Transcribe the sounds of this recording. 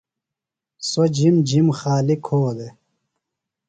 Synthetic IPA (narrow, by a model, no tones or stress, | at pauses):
sod͡ʑimd͡ʑimxaːlikʰoːd̪e